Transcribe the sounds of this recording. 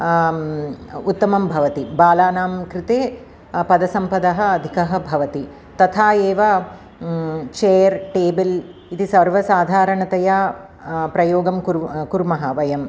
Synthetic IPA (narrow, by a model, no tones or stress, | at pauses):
ut̪ːɐmɐmbʱɐʋɐt̪ibaːlaːnaːmkɾɪt̪eː | pɐd̪ɐsɐmpɐd̪ɐɦɐ̆ɐd̪ʱikɐɦɐ̆bʱɐʋɐt̪i | t̪ɐt̪ʰaːeːʋɐ | t͡ʃeːjɐɾʈeːbilit̪isɐɾʋɐsaːd̪ʱaːɾɐɳɐt̪ɐja | pɾɐjoːɡɐmkuɾkuɾmɐɦɐʋɐjɐm